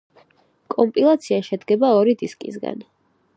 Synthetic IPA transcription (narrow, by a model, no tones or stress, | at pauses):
kʼɔmpʼilˠat̪sʰiaʃɛd̪ɡɛbaɔɾid̪iskʼḭsɡa̰n